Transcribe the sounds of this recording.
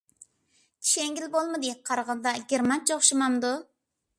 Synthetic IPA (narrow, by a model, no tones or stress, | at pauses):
t̪ʰi̥ʃeŋɡʲilbolˠmɨd̪ɨqʰɑɾʁənd̪ɑɡʲeɾmɑnt͡ʃoχʃɨmɑmd̪u